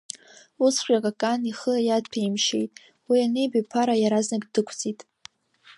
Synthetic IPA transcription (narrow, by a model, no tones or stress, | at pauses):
usχʷᶣakʼakʼaniχəajadpʰaimʃe̞̰jtʼ | wianejbapʰaɾajaɾaznaɡʼdɨkʷʰt͡sʼitʼ